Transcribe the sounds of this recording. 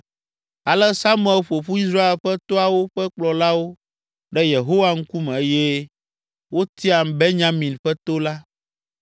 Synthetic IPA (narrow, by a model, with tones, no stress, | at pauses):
a˨lɛ˦sa˦m˦ɛ˨˦lɸo˨ɸu˦i˦s̬ɾa˦e˨lɸɛ˦t̪ɔ˦a˨wo˦ɸɛ˦k͡plɔ˨la˦wo˦ | ɖɛ˦je˨ɦo˦wa˦ŋ̩˦ku˦mɛ̃˨e˦je˦ | wo˦t̪i˦a˨m˨bɛ˦ɲã˦mĩ˨nɸɛ˦t̪o˦la˦